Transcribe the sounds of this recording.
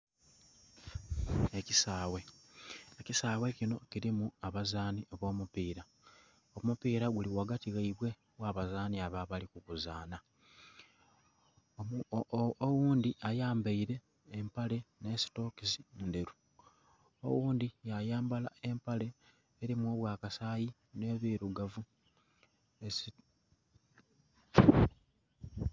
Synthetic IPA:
ecisaːwe̞ | ecisaːwe̞cino̞ciɾimuaβazaːnioβo̞ːmupiːɾa | omupiːɾaɡuliwaɡatiɣaiβwe̞ | waβazaːniaβaβalikukuzaːna | owuːnd̪iʔajaːmbaiɾe̞ː | mpale̞ne̞ːsi̥to̞kisinde̞ɾu | o̰wuːnd̪ijajaːmbalae̞mpale̞ː | ɾimo̞ːβwaːkasaːji | ne̞ːβiɾuɡavu | esi

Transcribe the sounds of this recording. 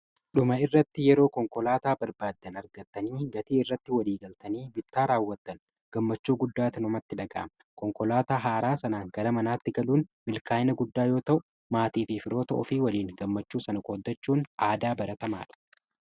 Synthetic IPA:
ɗʊmɐɪrːɐt̪ːɪjɛɾo̞ːkɔŋkɔlaːt̪aːbɐɾbaːd̪ːɐnɐɾɡɐt̪ːɐniːɡɐt̪iːɪrːɐt̪ːɪwɐliːɡɐlt̪ɐniːbɪt̪ːaːɾaːwːɐt̪ːɐn | ɡ̥ɐmːɐt͡ʃːuːɡʊd̪ːaːt̪ɪnʊmɐt̪ːɪᶑɐɡɐ̰ʔɐmɐkɔŋkɔlaːt̪aːɦaːɾaːsɐnaːŋɡ̥ɐɾɐmɐnaːt̪ːɪɡɐluːnmɪlkaːjɪnɐɡʊd̪ːaːjo̞ːt̪ɐʔʊ | maːt̪iːfɪfɪɾo̞ːt̪ɐʔɔfiːwɐliːŋɡɐmːɐt͡ʃːuːsɐnɐkʼoːd̪ːɐt͡ʃːuːnaːd̪aːbɐɾɐt̪ɐma̰ːᶑɐ̥

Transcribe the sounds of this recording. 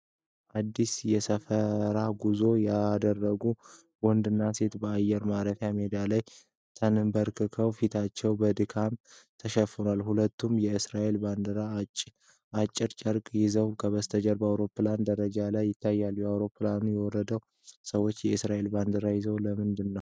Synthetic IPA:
ʔad̪ːisjɛsəfəɾaɡuzo̞jad̪ərːəɡu | wɔnd̪ɨnːase̞t̪bəajːɛɾmaɾət̪ʰjamed̪alaj | t̪ʰənɨmbəɾkʰɨkʰəwfit̪ʰat͡ʃːɛwbəd̪ɨkʰamt̪ʰəʃɛfɨnalhulət̪ːumjɛɨsɾaʔelband̪əɾa | at͡ʃʼːɪɾt͡ʃʼəɾkʼjɪzəwkʰəβəst̪ʰəd͡ʒəɾbəawɾo̞pːland̪əɾəd͡ʒalajːɪt̪ʰːajːaljɛawɾo̞pːlanujɛwɔɾəd̪əw | səwo̞t͡ʃːjɛɨsɾaʔe̞lband̪əɾajɪzəwləmɨnd̪ɨnːəw

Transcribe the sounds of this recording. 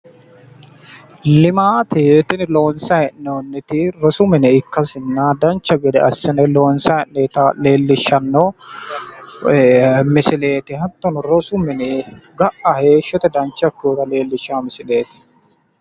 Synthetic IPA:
lɪmaːt̪ɛt̪ɪnloːnsɐɛnonːɛt̪ɪɾɔsʊmɛnɛɪkːɐsɪnːad̪ɐnt͡ʃːɐɡɛd̪ɛɐsːɛnɛloːnsɐɛnnɛt̪ɐle̞ːlːɪʃːɐnːo | mɪsɪleːt̪ɪhɐt̪ːɔnɔɾɔsʊmɪnɛɡɐʔɐheːʃːɔt̪ɛd̪ɐnt͡ʃːɐkːoːkɐle̞ːlːɪʃaːmɪsɪleːt̪ɪ̥

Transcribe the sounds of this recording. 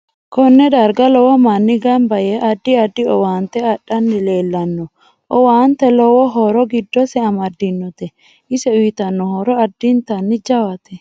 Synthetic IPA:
kɔnːɛd̪ɐɾɡɐlɔwɔmɐnːɪɡɐmbɐjɛʔɐd̪ːɪɐd̪ːɪɔwaːnt̪ɛɐɗɐnːɪle̞ːlːɐnːɔ | ʔɔwaːnt̪ːɛlɔwɔɦɔɾɔɡɪd̪ːɔsɛɐmɐd̪ːɪnːɔt̪ɛ | ʔɪsɛʊjt̪ɐnːɔhɔɾɔɐd̪ːɪnt̪ɐnːɪd͡ʒɐwɐt̪ɛ

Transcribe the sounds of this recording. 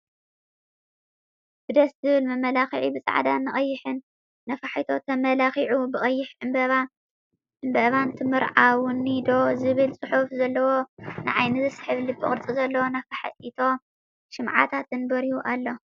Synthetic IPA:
b̥ɨd̪ɐszɨβɨlmɐmɐlaxiʕibɨt͡sʼa̰ʕd̪anɨχʼɐjːɪħɨnː | ɐfaħit̪ʰo̞t̪ʰɐmɐlaxiʕubɨχʼɐjːɪħʕɨmbɐβa | ʔɨmbɐβant̪ʰɨmɨɾʕawnːid̪o̞zɨβɨlt͡sʼɨħufzɐlːɐwo̞nɨʕajnɨzɨsħɨβlibɨχʼɨɾt͡sʼɨzɐlːɐwonɐfaħit̪ʰo̞ | ʃɨmʕa̰t̪ʰat̪ɨnbɐɾijuʔalːo̞

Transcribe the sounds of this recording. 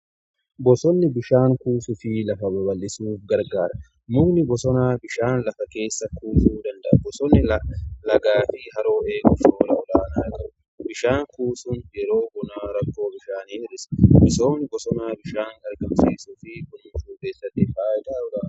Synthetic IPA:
bɔsɔnːɪbɪʃaːŋkuːsʊfɪlɐfɐbɐbɐlʔɪsuːfɡɐɾɡaːɾɐ | muːnɪbɔsɔnaːbɪʃaːnlɐfɐke̞ːsːɐkuːsuːd̪ɐnd̪ɐʔɐbɔsɔnːɪlɐɡaːfɪɦɐɾo̞ːeːɡʊt͡ʃoːlɐɔlaːnaːkʼɐbʊ | bɪʃaːŋkuːsʊnjɛɾo̞ːbɔnaːɾɐkːo̞ːbɪʃaːniːɪɾɪsɐ̥bɔsoːnɪbɔsɔnaːbɪʃaːŋkɐɾɡɐmsiːsuːfɪkʊnʊt͡ʃuːkeːsːɐt̪ːɪfaːjɪt̪ʼaːʊɾa

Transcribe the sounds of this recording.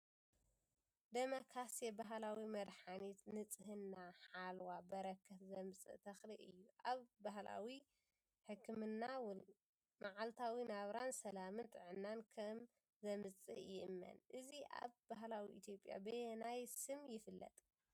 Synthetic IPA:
d̪ɐmokʰɾasjebaɦlawimɐd̪ħanit̪nɨt͡sʼɨɦɨnːaħalwabɐɾɐkʰːɐt̪zɐmɨt͡sʼɨ̰t̪ʰɐxliʔɨjːuʔaβbaɦla̰wi | ħɨkʰːɨmɨnːaw | maʕalt̪ʰawinaβɾansɐlamɨnt̪ʼɨʕɨnːankʰɐm | zɐmɨt͡sʼɨ̰ʔjɪʔɨmːɐ̰nʔɨziʔa̰βbaɦlawiʔḭt̪ʰjo̞pʼja̰bɨnajsɨmjɪfɨlːɐ̰t̪ʼ

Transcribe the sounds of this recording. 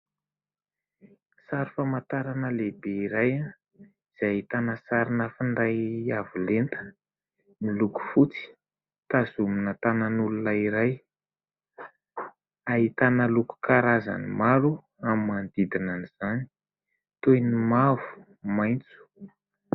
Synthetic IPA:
saɾifamat̪aɾanəlebeiɾaja | iz̥ajit̪anəsaɾinəfiɳɖ͡ʐajavilent̪ə̥ | niluku̥fut͡si̥ | t̪azuminət̪ananulunəiɾaj | aɦit̪anəluku̥kaɾaza̰nimaɾu | amimand̪id̪inaniz̥ani̥ | t̪ojnimav̥u̥ | majnt͡su̥

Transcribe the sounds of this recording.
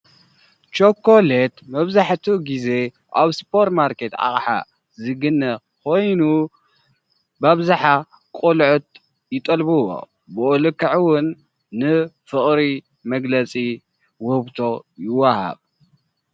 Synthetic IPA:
t͡ʃʼokʰːolet̪mɐβzaħt̪ʰuɡize̞ | ʔaβspʰoɾt̪maɾke̞t̪a̰χʼħa̰ | zɨɡɨnːɐ | kʰo̞jnu | baβzaħa | kʼolʕʊt̪̚ | jɪt̪ʼɐlbuwo̰ | bɨʔolɨkːaʕwʊnː | ɨfɨχʼɾi | mɐɡlɐt͡sʼi | wʊhɨβt̪ʰo̞jɪwːaha̰β

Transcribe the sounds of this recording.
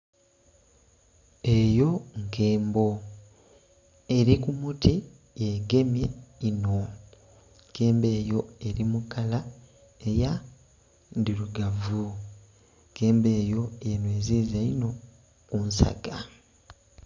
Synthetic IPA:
e̞jo̞ŋke̞ːmbo̞ | e̞ɾikumutʰi | jeɡe̞mje̞ino̞ | ke̞ːmbe̞ːjo̞e̞ɾimukala | eja | ndiɾuɡavu | ŋke̞ːmbe̞ːjo̞jenweːziːzaino̞ | kunsa̰ɡa

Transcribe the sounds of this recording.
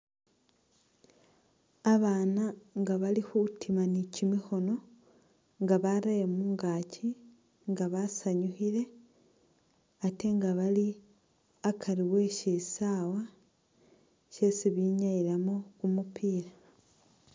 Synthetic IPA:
aβaːnaŋɡaβalixutʰimanicimixo̞no̞ | ŋɡaβaɾajemuːŋɡaci | ŋɡaβasaɲuxiɾe̞ | ate̞ŋɡaβali | akʰaɾiwe̞ʃisaːwa | ʃe̞siβiɲaiɾamokumupʰiːɾa

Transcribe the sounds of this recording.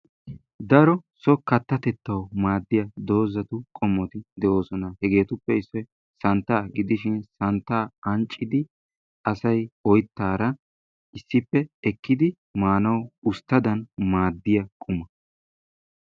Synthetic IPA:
d̪ɐɾɔsɔkɐt̪ːɐt̪ɛt̪ːɐwmaːd̪ːɪjɐd̪o̞ːzɐt̪ʊkʼɔmːɔt̪ɪd̪ɛʔo̞ːsɔnɐhɛɡe̞ːt̪ʊpːɛɪsːɔj | sɐnt̪ːaːɡɪd̪ɪʃɪnsɐnt̪ːaːɐnt͡ʃʼːɪd̪ɪ | ʔɐsɐjɔjt̪ːaːɾɐ | ɪsːɪpːɛɛkːɪd̪ɪ | maːnɐwʊst̪ːɐd̪ɐnmaːd̪ːɪjɐkʼʊmɐ

